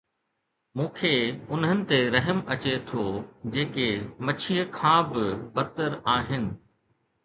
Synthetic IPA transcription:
mũːkʰeʊnɦənɪ̆t̪eɾɐɦəmɐt͡ɕet̪ʰod͡ʑeːkemɐt͡ɕʰiːəkʰãːbɪbɐɾt̪əɾaːɦɪnɪ̆

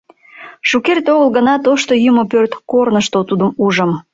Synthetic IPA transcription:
ʃukert̪oɣəlɣənɑt̪oʃt̪ojumopørt̪kornəʃt̪ot̪ud̪əmuʒəm

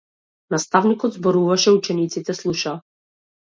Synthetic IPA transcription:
nast̪avnikɔd̪zbɔɾuvaʃɛut͡ʃɛnit̪sit̪ɛslˠuʃaː

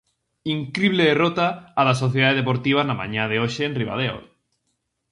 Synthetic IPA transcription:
iŋkɾiβleerot̪aːðasoθjeðaðeðepoɾt̪iβ̞anamã̰ɲãðeoʃeːnriβa̰ð̞eo̰

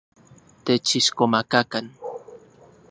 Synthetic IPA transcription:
t̪et͡ʃiʃkomakakan

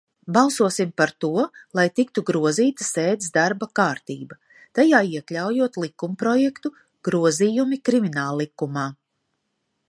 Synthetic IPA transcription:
balˠsuɔsimpaɾt̪uɔlˠajt̪ik̚t̪uɡɾuɔziːt̪əseːd̪sd̪aɾbakaːɾt̪iːbɐ | t̪ajaːiɛklʲawjuɔt̪lˠikumpɾɔjɛkt̪u | ɡ̥ɾuɔziːjumikɾiminaːlˠːikːumaː

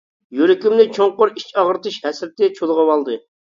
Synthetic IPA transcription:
jøɾɪkʲimnɪt͡ʃʰoŋqoɾit͡ʃɑʁəɾt̪ɨʃhɛsɾɪt̪ːɪt͡ʃʰolˠʁɑwɑlˠd̪ɨ

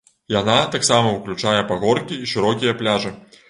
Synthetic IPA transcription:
janat̪aksamɐuwklʲut͡ʂajɛpaɣɔrkʲiːʂɨɾɔkʲijɐplʲaʐɨ

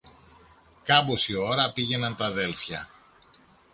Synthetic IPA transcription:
kɐbosio̞ɾɐpiʝe̞nɐnt̪ɐðe̞lfçɐ̰

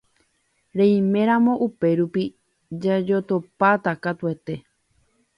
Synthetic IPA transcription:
ɾẽj̃mẽ̞ɾ̃ãmõ̞ʔupe̞ɾupi | d͡ʒad͡ʒo̞t̪opat̪akat̪ue̞t̪e̞

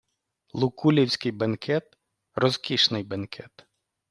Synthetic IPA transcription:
lˠʊkulʲiwsʲkɪjbɐnkʰɛt̪ | rɔzkʲiʃnɪjbɐnkʰɛt̪

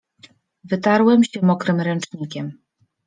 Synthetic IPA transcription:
vɘt̪aɾwɛmɕɛmɔkɾɘmɾɛnt͡ʂɲikʲɛm

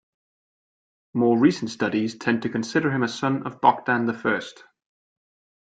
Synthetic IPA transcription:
mɔːɹiˑsən̩tstʌɾiz̥tʰɛ̃ntʰəkʰə̃nsɪɾə˞ɪ̃məsʌ̃nə̰vbɒk̚d̥ãnðəfɜˑst

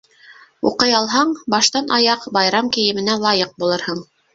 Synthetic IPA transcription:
ṵqɤjɑlˠɦɑɴbɑʃt̪ɑnʔɑjɑqbɑjɾɑmkɘ̆jɘ̆mɘ̆nælˠɑjɤq̚bulˠɤɾhɤɴ

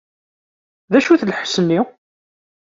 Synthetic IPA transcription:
ðæʃuθlħsənːi

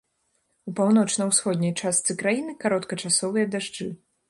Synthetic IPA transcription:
upawn̪ɔt͡ʂnɐwsxɔd̪ʲnʲɐjt͡ʂast̪sɨkɾajinɨkaɾɔt̪kɐt͡ʂasɔvɨjɐd̪aʐd͡ʐɨ

